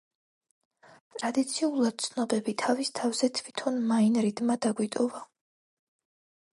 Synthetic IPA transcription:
t̪ʼɾad̪it̪sʰiulˠad̪̥̚t̪sʰnɔbɛbit̪ʰavist̪ʰavz̥ɛt̪ʰvit̪ʰɔnmainɾid̪mad̪aɡwit̪ʼɔva

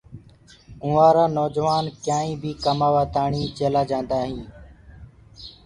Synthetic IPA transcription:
ũːaːɾaːnoːd͡ʒʋaːnkjãːĩːbʱiːkəmaːʋaːt̪aːɳiːt͡ʃeːlaːd͡ʒãːnd̪aːɦĩː

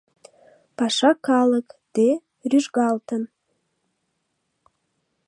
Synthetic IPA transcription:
pɑʃɑkɑləkd̪̥e | ryʒɣɑlˠt̪ən

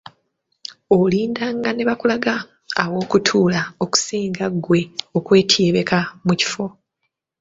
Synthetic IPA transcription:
oliːndaŋɡane̞βakulaɡaː | wo̞ːkutʰuːlao̞ku̥siːŋɡaɡwe̞okwe̞ːtʰjeːβe̞kamuci̥fo̞

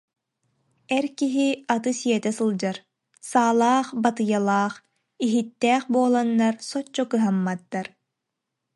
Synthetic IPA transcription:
ɛɾkiɦiat̪ɯsiɛt̪ɛsɯlˠd͡ʑaɾ | saːlˠaːχbat̪ɯjalˠaːχ | iɦit̪ːɛːχbuɔlˠanːaɾsɔt͡ɕːɔkɯɦamːad̪ːaɾ

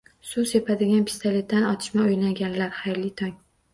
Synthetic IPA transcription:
suse̞pʰad̪ɪɡʲanpʰi̥st̪ale̞t̪̚ːanɒt̪ʰɪʃmaojlaɡʲanlaɾχajɾlɪt̪ʰɒŋ

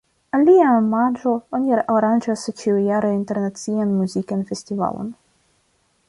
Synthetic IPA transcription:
aliaemad͡ʒooniɾeʔaɾand͡ʒast͡ʃiujaɾeinte̞ɾnat͡sianmuzikanfe̞stiva̰lo̞̰n

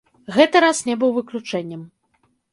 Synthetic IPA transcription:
ɣɛt̪ɨɾasnʲɛbɨwvɨklʲut͡ʂɛnʲːɐm

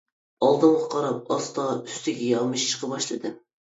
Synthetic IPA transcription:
ɑlˠd̪ɨmʁɑqʰɑɾɑp̚ɑst̪ɑy̥st̪ɪɡʲɛjɑmɨʃt͡ʃʰə̥qʰəbɑʃlˠɨd̪ɨm

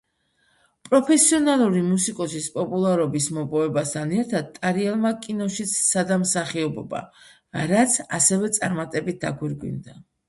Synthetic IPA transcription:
pʼɾɔpʰɛsiɔnalˠuɾimusikʼɔsispʼɔpʼulˠaɾɔbismɔpʼɔvɛbast̪ʰanɛɾt̪ʰad̪̥̚t̪ʼaɾiɛlˠmakʼinɔʃit̪sʰːad̪amsaχiɔbɔ̰ba̰ | ɾat̪sʰasɛvɛt̪sʼaɾmat̪ʼɛbit̪̚d̪aɡwiɾɡwḭnd̪a

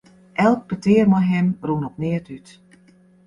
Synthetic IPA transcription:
ʔɛlˠk̚pətɪːərmɔjɦɪmrunɔpnɪətyt

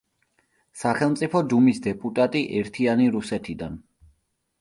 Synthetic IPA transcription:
saχɛlˠmt̪sʼipʰɔd̪umisd̪ɛpʼut̪ʼat̪ʼiʔɛɾt̪ʰianiɾusɛt̪ʰid̪an

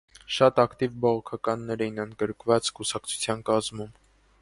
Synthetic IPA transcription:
ʃɑt̪ɑkt̪ivbɔʁɔkʰɑkɑnːɛɾɛjinənd̪ɡəɾkvɑt͡skusɑkt͡sʰu̥t͡sʰjɑnkɑzmum

